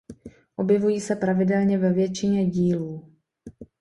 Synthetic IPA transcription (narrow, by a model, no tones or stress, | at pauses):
ʔo̞bjɛvujiːsɛpɾavɪdɛlɲɛvɛvjɛt͡ʃɪɲɛɟiːluː